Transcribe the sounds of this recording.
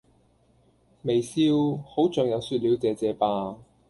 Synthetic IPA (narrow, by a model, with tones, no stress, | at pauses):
me˨jsiː˧˥who˨˥wt͡sœː˨ŋjɐ˨˧wsyː˧t̚liː˨˧wt͡sɛː˨˧t͡sɛː˨˧paː˧